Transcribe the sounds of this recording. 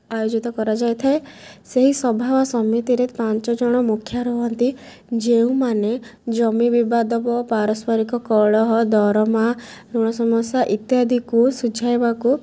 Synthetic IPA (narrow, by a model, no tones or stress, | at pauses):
ajod͡ʒit̪ɔkɔɾad͡ʒajt̪ʰaeseɦisɔbʱabɔsɔmit̪iɾepant͡ʃɔd͡ʒɔɽ̃ɔmukʰːjaɾɔɦɔnt̪i | d͡ʒeũmaned͡ʒɔmibibad̪ɔbɔpaɾɔspɔɾikɔkɔɭɔɦɔd̪ɔɾɔma | ɾuɽ̃ɔsɔmɔsjaʔit̪jad̪ʱikusud͡ʒʱajbaku